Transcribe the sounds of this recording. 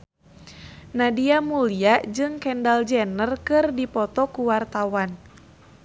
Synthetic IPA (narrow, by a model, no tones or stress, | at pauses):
nadiamuliaʔd͡ʒɨŋkɛndald͡ʒɛnərkɨrdipɔt̪ɔkuwart̪awan